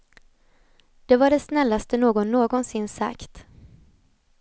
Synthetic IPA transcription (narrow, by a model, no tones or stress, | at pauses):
d̪̥ɛvaɖɛsnɛlːast̪ənoːɡɔnːoːɡɔnsɪnːsa̰kt̪